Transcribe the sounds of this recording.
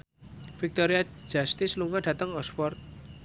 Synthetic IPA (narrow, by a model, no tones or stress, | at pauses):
fik̚t̪ɔɾiḁd͡ʒast̪isluŋaɖ̥a̤t̪əŋɔspɔrt̪̚